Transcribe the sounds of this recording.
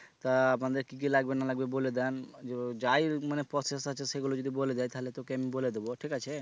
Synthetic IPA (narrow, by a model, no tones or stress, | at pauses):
t̪aapnad̪eɾkik̬ilaɡbenalaɡ̚beboled̪and͡ʒed͡ʒajɾmanepɾɔsesat͡ʃʰeseɡulod͡ʒod̪iboled̪ajt̪aɦelet̪okeamiboled̪eboʈʰikat͡ʃʰe